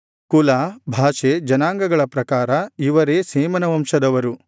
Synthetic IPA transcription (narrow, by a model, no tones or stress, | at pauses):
kulaːbʱaːʃed͡ʒɐnaːŋɡɐɡɐɭɐpɾɐkaːɾɐiʋɐɾeːseːmɐnɐʋɐmʃɐd̪ɐʋɐɾu